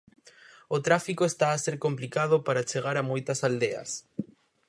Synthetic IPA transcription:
ot̪ɾafikoest̪aːseɾkomplikaðopaɾat͡ʃeɣaɾamojt̪asald̪eɐ̰s

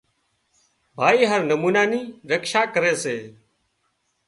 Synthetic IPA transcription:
bʱaːiːɦəɾnəmuːnaːniːɾəkʃaːkəɾeːseː

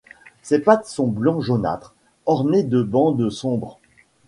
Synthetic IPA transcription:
sɛpat̪sɔ̃blɑ̃ʒona̰t̪χ | ɔʁned̪əbɑ̃d̪əsɔ̃bʁ

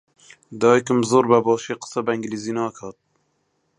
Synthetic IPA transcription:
d̪ɑːikɪmzoːɾbæbɑːʃeːqə̥sɛbɛŋɡliziːnɑːkʰɑːt̪̚

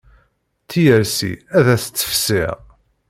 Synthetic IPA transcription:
θijəɾsḭæðæsə̥t͡sːə̥fsɪʁ

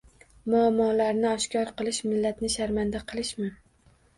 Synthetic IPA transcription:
mʊamːɒːlaɾnɪɒʃkʲɒɾqʰɨlˠɪʃmɪlːat̪nɪʃaɾmand̪aqʰɨlˠɪʃmɪ

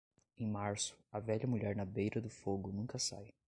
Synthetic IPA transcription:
ẽj̃maɾsʊ̥ɐvɛʎɐmuʎɛɾnɐbejɾɐd̪ʊfoɡʊnũkɐsa̰j

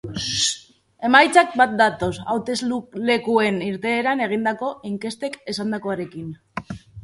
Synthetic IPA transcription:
e̞majt͡sak̚bat̪̚d̪at̪o̞sa̰wt̪e̞zlule̞kue̞niɾt̪e̞ːɾane̞ɣ̞ind̪ako̞ʔiŋke̞st̪e̞ke̞sand̪ako̞aɾe̞kin

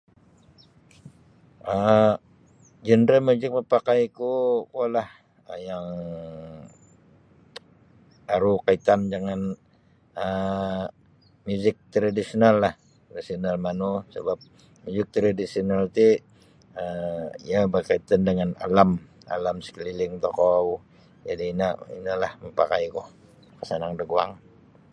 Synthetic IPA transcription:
ʔə | d͡ʒəndɾəmud͡ʒɪk̚pəpakajkukualah | əjaŋ | aɾukait̪and͡ʒaŋan | ə | muzɪk̚t̪ɾadisionalːah | t̪ɾasionalmanusə̰bap̚ | mjuzɪk̚t̪ɾadisionalt̪i | əḭabərkait̪andəŋana̰lama̰lamsə̥kəlilɪŋt̪okɔw | d͡ʒadinaʔḭnalahməmpakajkɔh | kəsanaŋdəɡua̰ŋ

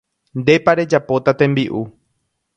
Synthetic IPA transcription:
nd̪e̞paɾe̞d͡ʒapo̞t̪at̪ẽ̞mbiʔu

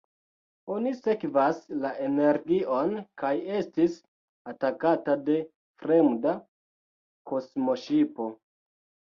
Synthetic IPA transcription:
o̞nise̞kvaslaʔene̞ɾɡiʔo̞nkaje̞stis | atakatade̞ | fɾe̞mda | ko̞smo̞ʃipo̞

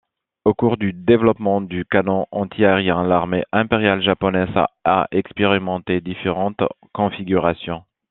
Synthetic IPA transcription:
okuʁd̪yd̪evlɔpmɑ̃d̪ykanɔ̃ʔɑ̃t̪ʰiaʁjɛ̃laʁmeʔɛ̃peʁjalʒapɔnɛza̰a̰ʔɛkspeʁimɑ̃t̪ed̪ifeʁɑ̃t̪ | kɔ̃fiɡʲyʁasjɔ̃

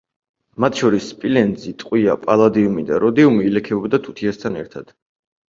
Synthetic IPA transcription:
mat̪ʰʃɔɾisːpʼilɛnd̪zit̪ʼqʼwiapʼalˠad̪iumid̪a̰ɾɔd̪iumiːlɛkʰɛɔbd̪at̪ʰu̥t̪ʰiast̪ʰanɛ̰ɾt̪ʰad̪̥

